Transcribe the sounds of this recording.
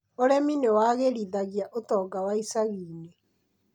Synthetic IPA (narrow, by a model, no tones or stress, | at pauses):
oɾɛminewaɣeɾiðaɣjaʔotɔːɡawaisaɣiːne